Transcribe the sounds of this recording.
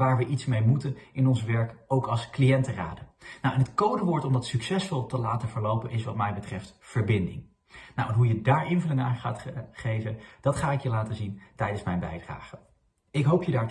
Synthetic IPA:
aːɹʋəʔitsmejmutənɪnɔnsʋɛɹkowkɑlˠsklijɛntəra̰ːdənawɛnɦətkowdəʋʊːɹtɔmdɑtsyksɛsfɔlˠtəlaːtəvəɹlowpənɪsʋɑtmɛjbətrɛftfəɹbɪndɪ̰ŋ | nawɛnɦujədaːɹɪnvɵlɪŋəaːχaːtχejvənd̥ɑtχaːɪkjəlaːtəzintɛjdənsmɛjnbɛ̰jdra̰ːχə | ɪkɦowpjədaːɹ

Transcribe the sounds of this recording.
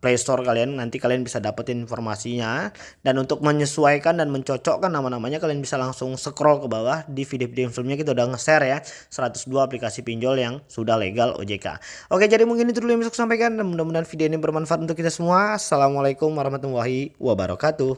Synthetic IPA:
plest̪ɔrkalianːant̪ikalianbisadapat̪ininfɔrmasiɲa | danunt̪ʊk̚məɲəsuajkandanməɲt͡ʃɔt͡ʃɔkanːamanamaɲakalianbisalaŋsʊŋsəkɾɔlkəbawahdifidefideɛnfilmɲakit̪audahŋəsɛrja | səɾat̪ʊ̥sduaːplikasipiɲd͡ʒɔljaŋsudahlḛɡalo̰d͡ʒeka̰ʔoked͡ʒadimuŋkinit̪uduljamisɔksampajkandmundamundaanfideɛnabərmanfat̪unt̪ʊkːit̪asəmuasalamalajkʊmwaɾahmat̪umwaɦiwʔabaɾa̰kat̪u

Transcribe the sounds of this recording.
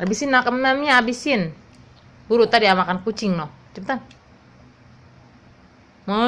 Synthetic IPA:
abisɪnːakamnamɲaːbisɪn | buɾut̪adiamakankut͡ʃiŋnɔt͡ʃəpt̪an | mɔ

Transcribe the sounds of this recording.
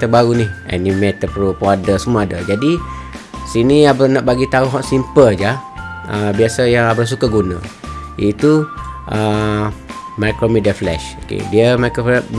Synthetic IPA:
t̪əbaɾunihɛ̰nimet̪əpupadəsəmuaadad͡ʒadi | siniabənãʔbaɡit̪aʊɦɔʔsimpəld͡ʒaəbiasajaŋabɾəs̬ukaɡunã̰ʔiit̪uʔə | majkɾomidiaflɛ̰ʃokḛdiəmako

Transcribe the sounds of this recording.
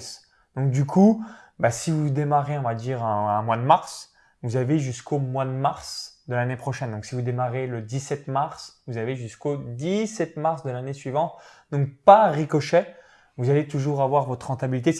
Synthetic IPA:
s | d̪̥ɔ̃k̚d̪ykʰubasivud̪emaʁeɔ̃vad̪iʁɛ̃ɛ̃mwad̪əmaʁs | vuzaveʒyskʰomwad̪əmaʁsd̪əlanepχɔʃɛnd̪ɔ̃ksivud̪emaʁeləd̪isɛt̪maʁsvuzaveʒyskod̪isɛt̪maʁsd̪əlanesɥivɑ̃t̪d̪ɔ̃k̚paʁikɔʃɛ | vuzalet̪uʒuʁavwaʁvɔt̪χʁɑ̃t̪abilit̪e

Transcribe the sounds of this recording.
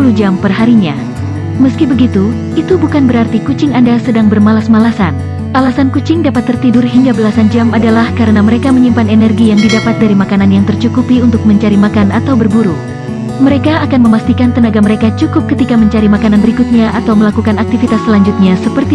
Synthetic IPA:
ulud͡ʒampərɦaɾiɲa | məskibəɡit̪u | it̪ubukanbəɾart̪ikut͡ʃɪŋandasədaŋbərmalasmalasa̰n | ʔalasankut͡ʃɪŋdapat̪ːərt̪idʊrɦiŋɡabəlasand͡ʒamadalahkaɾənaməɾekaməɲimpanenɛrɡijaŋdidapat̪̚daɾimakananjaŋt̪ərt͡ʃukupiunt̪ʊk̚məɲt͡ʃaɾimakanat̪awbərbuɾu | məɾekaːkanməmast̪ikant̪ənaɡaməɾekat͡ʃukʊp̚kət̪ikaməɲt͡ʃaɾimakananbəɾikut̪̚ɲaʔat̪awməlakukanak̚t̪ifit̪aslaɲd͡ʒut̪̚ɲasəpərt̪i

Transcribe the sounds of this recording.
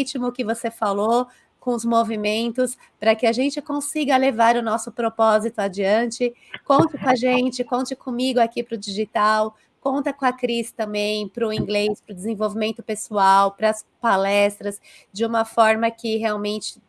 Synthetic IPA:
t͡ʃimʊkɪvosefalo | kõʊzmovimẽnt̪ʊs | pɾɐkɪaʒẽnt͡ʃɪkõsiɡɐlevaɾʊnɔsʊpɾopɔzit̪ʊad͡ʒiɐ̃nt͡ʃɪ | kõnt̪ɪkõɐʒẽnt͡ʃɪkõnt͡ʃɪkõmiɡʊakipɾʊd͡ʒiʒit̪aw | kõnt̪ɐkõɐkɾizɪ̥t̪ɐ̃mbẽj̃pɾʊĩŋɡlejspɾʊd͡ʒɪzẽvowvimẽnt̪ʊpesuawpɾɐs | palɛst̪ɾɐs | d͡ʒɪũmɐfɔɾmɐkɪɦeawmẽnt͡ʃɪ̥

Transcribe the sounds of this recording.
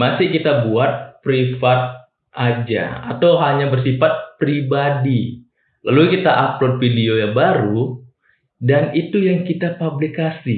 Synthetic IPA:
masɪhkit̪abuat̪̚pɾifat̪̚ | ʔad͡ʒa̰at̪awɦaɲabərsifat̪̚pɾibadi | lalukit̪aʔaplot̪̚fidiojaŋbaɾu | danit̪ujaŋkit̪apablikasi

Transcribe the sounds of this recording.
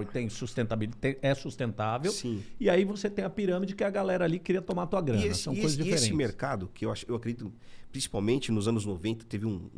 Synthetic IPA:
t̪ẽj̃sust̪ẽnt̪abilt̪ẽɛsust̪ẽnt̪avewsĩɪaivoset̪ẽj̃ɐpiɾɐ̃mid͡ʒɪkɪɐɡalɛɾɐalikɪɾiɐt̪õmat̪uɐɡɾɐ̃emɐssɐ̃w̃eojzɐzd͡ʒiefeɾẽɪt͡ʃmeɾkad̪ʊkɪewaʃewakɾed̪d͡ʒit̪ʊpɾĩsi̥pawmẽnt͡ʃɪnʊzɐ̃nʊznovẽnt̪ɐ̥t̪evɪũ

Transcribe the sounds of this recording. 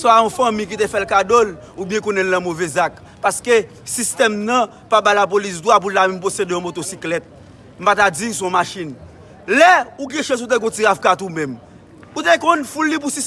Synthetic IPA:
sɔ̃aɔ̃fɐ̃mĩk̬it̪efɛlkadol | ubjɛ̃kõnɛ̃lnɐ̃movɛzak | paske | sist̪ɛmnɐ̃ | pabalap̬olis̬d̪wap̬ullamɛ̃mposedeõmot̪osiklɛt̪̚ | m̩pat̪ad͡zis̬ɔ̃maʃin | lɛuɡɛ̃ʃɛ̃zut̪̬eɡõtiavkat̪umɛ̃m | ut̪ekõnfulːip̬usis

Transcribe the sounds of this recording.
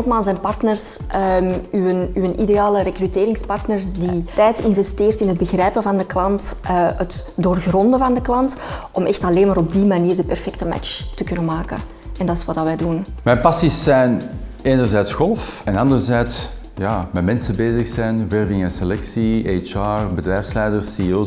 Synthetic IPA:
tmaːlˠsɛjnpɑrtnərsʔəmyənyənʔideaːləɾekryteːɾɪŋspɑrtnərditɛjtɪnvɛsteːrtɪnɦəd̚bəɣrɛːpənvɑndəklɑntːət | doːrɣrɔndəvɑndəklɑntʔɔmʔɛxtɑleːnmaːɾɔb̚dimaniːrdəpɛrfɛk̚təma̰t͡ʃtəkʏnənmaːkə̰ | ɛndɑtɪswɑtdɑʋɛːdunmɛnpɑsisːɛjneːnərzɛːtsxɔlˠfɛnɑndərzɛːts | jaːmɛtmɛnsəbeːzəxsɛjnʋɛrvɪŋɛnselɛksiet͡ʃaːbədrɛːjfslɛjdərsio

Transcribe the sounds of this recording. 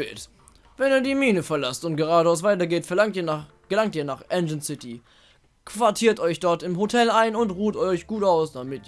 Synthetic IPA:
ɪlt | vɛniːɐdiːmiːnəfɛɐlastʊntɡ̥əʁ̞aːdəasv̥aɪtɐɡeːtfɛɐaŋtiːɐ | ɡ̥əlaŋtiːɐnaːχʔɛnd͡ʒənsɪtʰi | kv̥aɐtʰiːɐtɔʏçd̥ɔɐtɪmhotʰɛlaɪnʊntʁuːtɔʏçɡ̥uːtʔaʊsd̥amɪt

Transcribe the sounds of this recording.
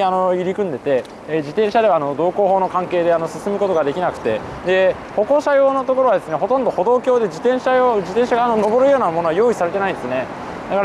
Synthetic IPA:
ano̞iɾʲikɯ̟̃nd̪e̞t̪e̞ | d͡ʑit̪ẽɰ̃ɕad̪e̞βaːno̞d̪o̞ːko̞ːɦo̞ːnokãŋke̞ːd̪e̞ano̞sɨ̥sɨmɯ̟ko̞t̪o̞ɡad̪e̞kʲinakɯ̟̥t̪e̞ | d̪e̞ | ho̞ko̞ːɕajo̞ːno̞t̪o̞ko̞ɾo̞βad̪e̞sɨneɦo̞t̪õnd̪o̞ho̞d̪oːkʲo̞ːd̪e̞d͡ʑit̪ẽ̞ɕaod͡ʑit̪ẽ̞ɰ̃ɕaɡaːnono̞bo̞ɾɯ̟jo̞ːnamo̞noβajo̞ːisaɾe̞t̪e̞naĩd̪sɨne̞ | d̪akaɾ

